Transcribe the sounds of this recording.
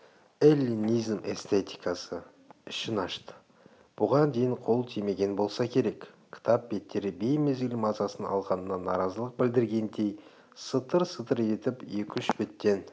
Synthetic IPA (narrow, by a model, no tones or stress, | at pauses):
elʲːinijzmʔe̞̰st̪e̞t̪i̥jkɑsə | ɪʃɪnɑʃt̪ə̥ | b̥ʊʁɑnd̪e̞jɪɴqʰo̞lˠt̪ʰijme̞ɡʲe̞nbo̞lˠsɑkʲʰe̞ɾe̞kkʲʰːɪ̥t̪ʰɑp̚be̞t̪ːe̞ɾɪbejme̞zɡʲɪlɪmɑzɑsənɑ̰lˠʁɑnənɑnɑɾɑzəlˠəq̚bɪld̪ɪɾɡʲe̞nd̪e̞j | sət̪əɾsət̪əɾe̞t̪ɪpje̞kʲʏnʃbɪt̪ːe̞n